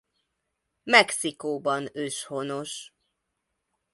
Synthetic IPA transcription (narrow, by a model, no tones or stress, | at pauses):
mɛksikoːbɒnøːʃho̞no̞ʃ